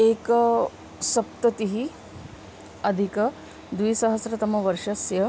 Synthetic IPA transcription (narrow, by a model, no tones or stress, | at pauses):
eːkɐ | sɐp̚t̪ɐt̪iɦi | ɐd̪ʱikɐ | d̪ʋisɐɦɐsɾɐt̪ɐmɐʋɐɾʂɐsjɐ